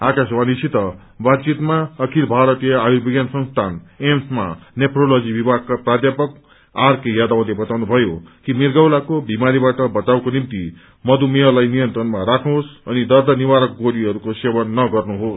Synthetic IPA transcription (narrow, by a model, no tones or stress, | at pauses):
akaswanisit̪ʌ | bad̪t͡sit̪maʌkʰilbʱaɾʌt̪ijʌajubiɡjansʌ̃ŋst̪ʰanemsma̰nepʰrolod͡zibibʱaɡ̚kaprad̪japʌk | arkejad̪awlebʌt̪awnubʱʌjokimirɡʌwlakobʱimaɾibaʈʌbʌt͡sawkonimt̪i | mʌd̪umeɦʌlajnijʌnt̪rʌnmaɾakʰnuɦosʌnid̪ʌrd̪ʌniwaɾʌk̚ɡoɽiɦʌɾukosewʌnːʌɡʌrnuɦos